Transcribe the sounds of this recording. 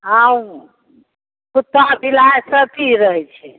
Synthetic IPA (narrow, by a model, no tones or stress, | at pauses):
aũ | put̪ːabʱilaesəp̪ʰiɾəɦɛt͡ʃʰɛ